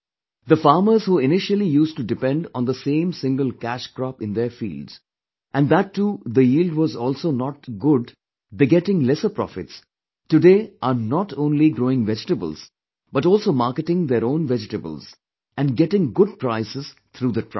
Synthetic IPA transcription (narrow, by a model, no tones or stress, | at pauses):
d̪əfaːɾməɾzhuːɪnɪʃəlijuːsʈuɖɪpɛ̃nɖɔ̰̃nd̪əsẽːmsɪ̃ŋɡəlkæʃkɾɔpɪ̃nd̪eɾfḭːlɖz̥ | ʔæ̃nɖd̪æʈːuːd̪əjiːlɖʋɔzɔːlsoːnɔʈ̚ɡʊɖ | bɪɡɛʈɪ̃ŋlɛsəpɾɔ̰fɪʈs | tuɖeːʔaːɾnɔʈʰõːnliɡɾoːɪ̃ŋʋɛd͡ʒɪʈəbə̰lz̥ | b̥ʌʈɔːlsoːmaɾkɪʈɪ̃ŋd̪eɾõːnʋɛd͡ʒɪʈəbə̰lz | æ̃nɖɡɛʈɪ̃ŋɡʊɖ̚pɾaɪsɪz̥t̪ʰɾuːd̪əʈʰ